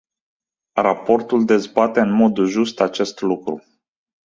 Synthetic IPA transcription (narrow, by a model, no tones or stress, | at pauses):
rapo̞rt̪uld̪e̞zbat̪e̞ɨnmo̞d̪ʒust̪at͡ʃe̞st̪lukɾu